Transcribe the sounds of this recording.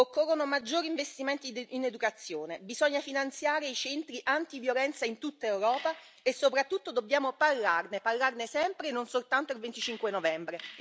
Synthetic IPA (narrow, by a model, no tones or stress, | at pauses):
okːorːonomad͡ʒːoːɾiɱvest̪iment̪iːned̪ukat̪sːjoːnebizɔɲːafinant̪sjaːɾeit͡ʃɛnt̪ɾiʔant̪ivjolɛnt̪saint̪ut̪ːaewɾɔːpa | esːopɾat̪ːut̪ːod̪obːjaːmoparlarneparlarnesɛmpɾenonsolt̪ant̪oilvent̪it͡ʃiŋkwenovɛmbɾe